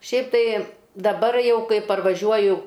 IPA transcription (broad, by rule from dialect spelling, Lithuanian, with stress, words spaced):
ˈʃʲɛɪp ˈtɐɪ dɐˈbɐr ˈjɛʊ ˈkɐɪ pɐrʋɐˈʒʲuɔjʊ